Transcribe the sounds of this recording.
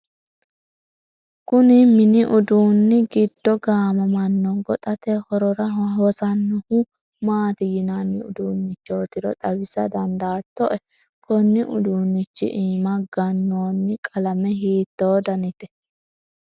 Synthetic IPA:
kʊnɪmɪnɪʔʊd̪uːnːɪɡɪd̪̥ːɔɡaːmɐmɐnːɔɡɔt̪ʼɐt̪ɛhɔɾɔɾɐɦɔsɐnːʊhʊ | maːt̪ɪjɪnanːɪʊ̰d̪uːnːɪt͡ʃːoːt̪ɪɾɔt̪ʼɐwɪsɐd̪ɐnd̪aːt̪ːɔʔɛ | pɔnːɪʔʊ̰d̪uːnːɪt͡ʃːɪ̰ʔiːmɐɡɐnːoːnːɪkʼɐlɐmɛɦiːt̪ːoːd̪ɐnɪt̪ɛ̥

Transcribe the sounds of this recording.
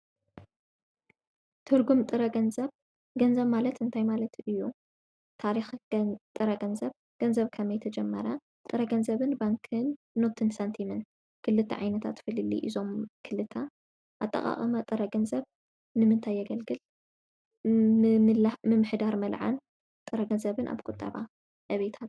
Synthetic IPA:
t̪ʰɨɾɡumt̪ʼɨɾɐɡɐnzɐβ | ɡɐnzɐβmalɐt̪ɨnt̪ʰajmalɐt̪ʰɨjːu | t̪ʰaɾixt̪ʼɨɾɐɡɐnzɐβ | ɡ̥ɐnzɐβkʰɐmɐjt̪ʰɐd͡ʒɛmːɐ̰ɾɐ | t̪ʼɨɾɐɡɐnzɐβɨnbaŋkʰɨnː | ot̪ʰɨnsɐnt̪ʰimɨn | kʰɨlːɨt̪ʰːɐ̰ʕajnɐt̪ʰa̰t̪fɨlɨlːḭʔizo̞mkʰɨlɨt̪ʰɐ | ʔat̪ʼːɐ̰χʼa̰χʼɐmɐt̪ʼɨɾɐɡɐnzɐβ | nɨmɨnt̪ʰajːɐɡɐlɡɨl | lmɨmɨħd̪aɾmɐlʕa̰n | t̪ʼɨɾɐɡɐnzɐβɨnʔa̰βkʼut̪ʼːɐ̰βa̰ | ʔɐβet̪ʰat̪

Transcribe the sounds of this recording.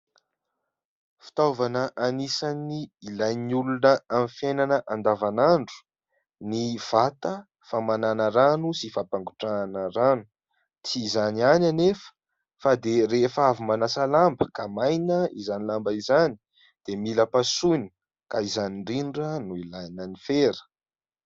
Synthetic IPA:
fi̥t̪ovanəʔanisaniilajnulunəamifjejnanəʔand̪avanaɳɖ͡ʐu̥ | niv̥at̪ə | famananəɾanusifapaŋɡuʈ͡ʂanəɾanu̥ | t͡siːzaniananefə̥ | fad̪eɾefavumanasalambəkamajnəizanilambaizani | d̪̥emiləpasujnə̥ | kaizaniɳɖ͡ʐiɳɖ͡ʐənuilajnənifeɾə̥

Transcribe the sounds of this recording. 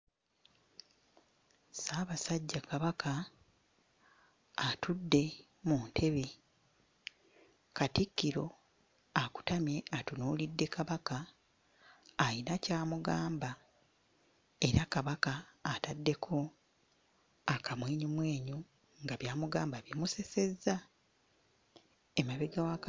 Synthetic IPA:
saːβasaɟːakaβaka | tʰudːe̞ | muntʰe̞βe | katikːiɾo̞ | aku̥tamje̞atunuːlidːe̞kaβaka | jinacaːmuɡaːmba | e̞ɾakaβakaːtadːe̞kʰo̞ | akʰamweːɲumwe̞ːɲu | ŋɡaβjaːmuɡaːmbaβimuse̞se̞zːa | emaβeɡawak

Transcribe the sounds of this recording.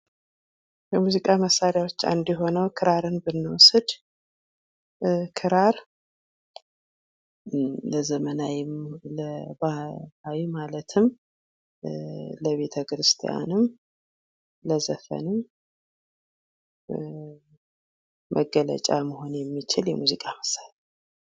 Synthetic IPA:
kəmuzikʼaməsːaɾjawo̞t͡ʃːa̰nd̪jɛɦo̞nəwkʰɨɾaɾɨnbɨnːɨwɔsɨd̪ | kʰɨɾaɾ | ləzəmənajɪmləbahawimalət̪ʰɨm | ləβe̞t̪ʰəkɾɨst̪ʰija̰nɨm | ləzəfə̰nɨm | mʔə̰ɡələ̰t͡ʃʼa̰məho̞njɛmːit͡ʃɪljɛ̰muzikʼaməsːaɾja

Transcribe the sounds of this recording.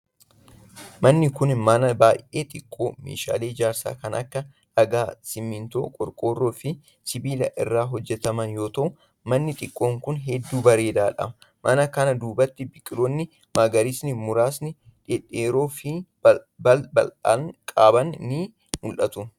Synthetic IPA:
mɐnːɪkʊnmɐnɐbaːjʔe̞ːt̪ʼɪkʼːo̞ːmḛːʃa̰ːle̞ːd͡ʒaːɾsa̰ːkɐnʔɐ̰kːɐ | ᶑɐɡaːsɪmːɪnt̪o̞̰ːkʼɔɾkʼo̞ːrːoːfɪ | sɪbiːlɐʔɪrːaːɦɔd͡ʒːɛt̪ɐmɐnjo̞ːt̪ɐʔʊ | mɐnːɪt̪ʼɪkʼːo̞ːŋkʊnɦɛd̪ːuːbɐɾe̞ːd̪aːᶑɐ̰mɐ | mʔɐnɐkɐnɐd̪uːbɐt̪ːɪbɪkʼːɪɾoːnːɪ | maːɡɐɾisnɪmʊɾaːsnɪ | ᶑɛᶑeːɾo̞ːfɪ | bɐbɐla̰kʼaːbɐnːiː | mʊlʔɐt̪ʊ

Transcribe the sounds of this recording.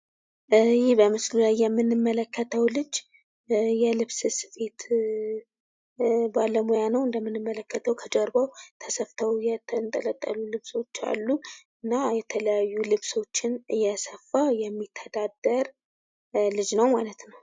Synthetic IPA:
jɪhbəmɨslulajːɛmːɨnːɨmːələkːət̪ʰəwlɨd͡ʒ | jɛlɨβsɨsɨfe̞t̪ | baləmojanəwɨnd̪əmːɨnːɨmːələkːət̪ʰəwkʰəd͡ʒəɾbəwt̪ʰəsəft̪ʰəwjɛt̪ʰnt̪ʼələt̪ʼːə̰lulɨβso̞t͡ʃːa̰lːuɨnːajɛt̪ʰələjajːulɨβso̞t͡ʃːɪnɨjɛsəfːajɛmːit̪ʰːəd̪ad̪əɾ | lɨd͡ʒnəwmalət̪nəw

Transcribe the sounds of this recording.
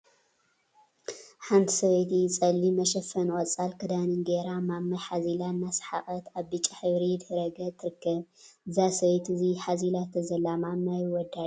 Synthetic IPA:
ħant̪ʰi̥sɐβejt̪it͡sʼɐlːimɐʃɐfɐnʔʼɔt͡sʼalkʰɨd̪anɨnɡeɾamamːajħazilanːasħa̰kʼɐt̪aβbɨt͡ʃʼaħɨβɾid̪hɾɐɡɐt̪ʰɨɾɨkːɐβɨzasɐβejt̪ɨziħazilat̪ʰɐzɐlamamːajwɔd̪ad

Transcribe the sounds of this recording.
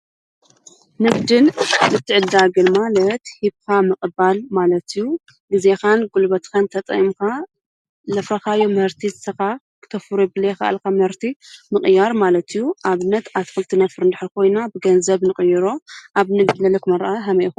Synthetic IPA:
nɨɡd̪ɨnɨt̪ʰːɨʕɨd̪aɡɨnmalɐt̪hiβkʰamɨkʼɨbalmalɐt̪ijːu | ɡɨzexanɡulbɐt̪kʰant̪ʰɐt̪ʼɐ̰ʔimkʰa | lɐfɾɐxajomɨhɨɾt̪ʰiɨsɐka | kʰɨ̥t̪ʰɐfuɾubɨlekɐʔa̰lkʰamɨhɨɾt̪ʰimɨqʼɨjaɾmalɐt̪ʰijːuʔaβɨnːɐt̪at̪fɨlt̪ʰinɐfɨɾɨnd̪aħɾkʰo̞jnabɨɡɐnzɐβnɨχʼɨjɨɾoʔaβnɨɡd̪lɐlɐkʰɨmɐɾaʔaɦɐmɐʔxu

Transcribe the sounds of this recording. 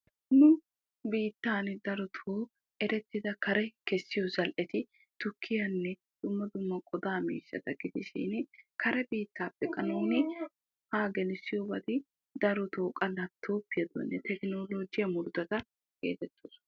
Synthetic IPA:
nʊ | biːt̪ːaːnd̪ɐɾɔt̪ʰoː | ɛɾɛt̪ːɪd̪ɐkɐɾɛkɛsːɪjɔzɐlʔɛt̪ɪ | t̪ʊkʰːɪjɐnːɛ | d̪̥ʊmːɐd̪ʊmːɐkʼɔd̪aːmḭːʃːɐ̰t̪ɐɡɪd̪ɪʃḭːnkɐɾɛbiːt̪ːaːpʼːɛkʼɐnonːɪ | haːɡɛnɪsːɪjobɐd̪ɪ | d̪ɐɾɔt̪oːkʼɐlːɐt̪ʰːoːpːɪjɐd̪ɔ̰nːɛt̪ɛkno̞ːlo̞ːd͡ʒɪjɐmʊɾd̪ɐt̪ɐ | ɡḛːt̪ɛt̪ːoːs

